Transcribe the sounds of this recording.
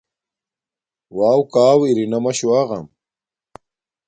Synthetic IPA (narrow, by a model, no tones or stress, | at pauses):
waːwkaːwiɾinɐmɐɕuaːɣɐ̰m